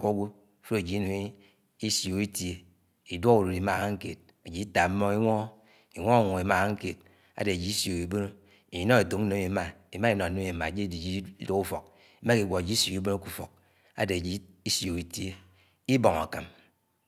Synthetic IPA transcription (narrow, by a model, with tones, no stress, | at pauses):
ko˦ɡʷu˦ | fo˦e˨d͡ʒi˨i˦nu˨ŋ˦ | i˦sjo˨i˦tje˨ | i˨dwo˦ɣu˨do˨ɾi˨ma˦˨ɣa˦ŋ̩˦ke˨t̚ | e˨d͡ʒi˨i˦ta˨˦mo˦i˦ŋʷɔ˦ | i˨ŋʷo˦a˦˨ŋʷo˨e˨˦ma˦˨ɣa˦ŋ̩˦ke˨t̚ | a̰˦de˨d͡ʒi˨i˦sjo˨i˨bo˦no˦ | i˨i˨˦no˦e˨to˨˦n̩˦o˦mi˨˦ma˨i˨ma˦i˦nɔ˨no˦mi˨ma˨d͡ʒi˦˨di˨d͡ʒi˦do˦ku˦fo̰˨k̚ | i˨˦ma˦ki˨ɡʷo˨e˨d͡ʒi˦so˨ki˦bo˦no˦ku˦fo̰˨k̚ | a̰˨de˨a˨d͡ʒi˦i˦sjo˨i˨tje˦ | i˦bo˨ŋa̰˨ka̰˨m